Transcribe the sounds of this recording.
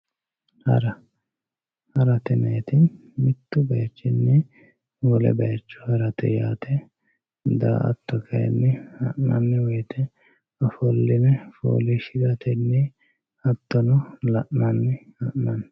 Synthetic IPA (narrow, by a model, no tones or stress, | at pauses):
hɐ̰ɾɐ | hɐɾɐt̪ɛnɐjt̪ɪn | mɪt̪ːʊbɐjɐt͡ʃːɪnːɛ | wɔlɛ̰bɐjɐt͡ʃːʊ̥hɐɾɐt̪ɛ̰jaːt̪ʰɛ | d̪a̰ːʔɐ̰t̪ːɔkʰɐjɛ̰nːɛhɐ̰ʔnɐ̰nːɛwɔjt̪ʰɛ | ɐfɔlːɪnɛfo̰ːlɪʃɪɡɐt̪ɛnːɛ | ɐt̪ːɔnɔlɐʔnɐnːɛhɐʔnɐn